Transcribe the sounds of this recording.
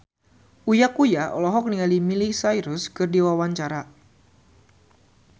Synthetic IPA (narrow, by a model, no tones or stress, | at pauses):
ujakujaʔɔlɔɦɔk̚niŋalimilisajɾʊskɨrdiwawaɲt͡ʃaɾa